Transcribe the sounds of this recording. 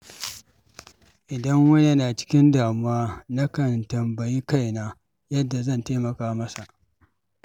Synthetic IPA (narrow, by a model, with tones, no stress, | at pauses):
ʔɪ˨dɐ˦ŋwɐ˦ne˦naː˨t͡ʃɪ̥˦kʲɪ˦ndaː˨mʊ˦waː˦nɐ˦kɐ˨ntɐ˨mbɐ˨ji˦ka˦jnaː˦ | jɐ˦dːa˨zɐ˦˨nteː˦mɐ˨kaː˦mɐ˦sa˨ʔ